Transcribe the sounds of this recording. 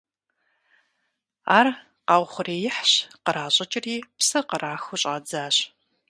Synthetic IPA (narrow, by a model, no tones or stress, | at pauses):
a̰ːr | qɑːwʷχʷʊreːjɪħɕqəɾaːɕʼɐt͡ʃʼɪriːpsɐqəɾaːxʊɕʼaːd͡zaːɕ